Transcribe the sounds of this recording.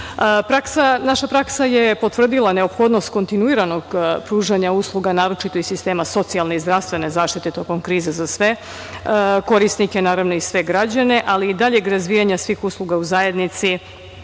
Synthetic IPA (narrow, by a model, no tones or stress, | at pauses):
pɾaksanaʃapɾaksaje̞po̞t̪ʋr̩d̪ilˠane̞o̞pxo̞d̪no̞st̪̚ko̞nt̪inuiɾano̞ɡpɾuːʒaɲauslˠuɡanaːɾo̞t͡ʃit̪oisist̪e̞ːmaso̞t̪sialneizd̪ɾafst̪ʋe̞ne̞zaːʃt̪it̪e̞t̪o̞ko̞mkɾiːzezasʋe̞ | ko̞ɾisnikenaːɾaʋno̞isʋe̞ɡɾad͡ʑane̞ʔaliːd̪aʎeɡɾazʋijaɲasʋiːxuslˠuɡauzaje̞d̪nit̪si